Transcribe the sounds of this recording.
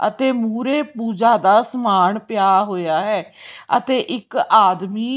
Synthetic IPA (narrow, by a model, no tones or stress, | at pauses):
ə̰t̪eːmuːɾeːpuːd͡ʒaːd̪aːsəmaːɳpɪjaːɦoːjaːɦɛːə̰t̪eːʔɪkaːd̪miː